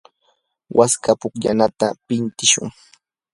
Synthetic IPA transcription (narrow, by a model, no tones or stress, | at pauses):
wʔaskapʊkʎa̰nat̪apɪnt̪ɪʃʊ̰ŋ